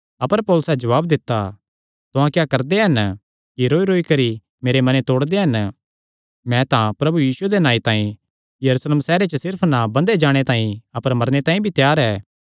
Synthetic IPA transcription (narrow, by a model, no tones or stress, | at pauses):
ɐpəɾpɔːlʊsɛd͡ʒɐʋaːbd̪ɪt̪ːa | t̪ʊɦãkjaːkɐɾd̪eɦɐn | kiɾoːiɾoːikɐɾi | meːɾemɐnet̪oːɽd̪eɦɐn | mɛ̃t̪ãpɾɐbujiːsued̪enãːĩt̪ãːĩ | jɐɾuːsleːmsɛːɾet͡ʃəsɪɾpʰnabɐ̃nd̪ed͡ʒaːɽ̃et̪ãːĩɐpəɾmɐɾñet̪ãːĩbʱit̪jaːɾɛː